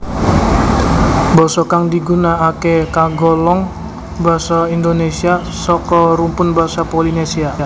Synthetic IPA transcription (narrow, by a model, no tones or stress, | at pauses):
bɔsɔkaŋdiɡunaːkekaɡɔlɔŋ | baɦasaindonesia | sɔkɔɾumpʊnbaɦasapolinesia